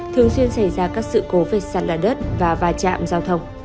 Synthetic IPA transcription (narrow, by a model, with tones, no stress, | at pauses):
t̪ʰɨ˧˩əŋswi˧ənsa˧˩jzaː˧kaː˦˥k̚sɨ̰˧˨ko˨˦ve˨˩saː˧˩t̚laː˧˩ɗə˦˥t̚vaː˨˩vaː˧t͡ɕa̰ː˧˨mzaː˧wt̪ʰə˧wŋ͡m